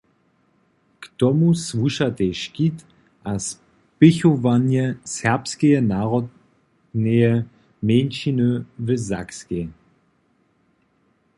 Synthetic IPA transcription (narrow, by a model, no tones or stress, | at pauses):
ktɔmusvuʃateʃkit | ʔas | pɪçovanjəsɛɐpskeənaːʁɔd | neə | meːnʃinəvəza̰kske